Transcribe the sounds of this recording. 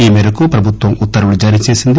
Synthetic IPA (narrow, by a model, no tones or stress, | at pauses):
iːmɛːɾɐkupɾɐbʱut̪ʋɐmut̪ːɐɾɐɽud͡ʒaːɾijɐt͡ʃeːsind̪i